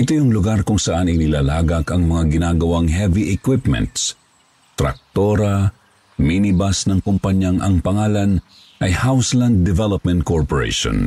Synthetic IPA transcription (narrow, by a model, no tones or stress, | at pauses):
ʔɪt̪ojʊŋlʊɡaɾkʊŋsɐʔanɐjnɪlaːlaːɡɐkɐŋmɐŋaɡɪnaːɡɐwaŋɦɛviʔɛkwɪpmɛ̰̃nt̪s | t̪ɾɐ̰k̚t̪o̞ɾɐ | minɪbasnɐŋkʊmpɐɲjaŋʔɐŋpɐŋaːlɐn | ʔɐjhawsland̪̚ːɛvɛlop̚mɛ̃nt̪̚koɹpoɹḛʃõ̰n